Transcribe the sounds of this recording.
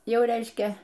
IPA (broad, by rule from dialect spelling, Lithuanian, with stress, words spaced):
ˈjɛʊ ˈrʲɛɪʃʲkʲɛ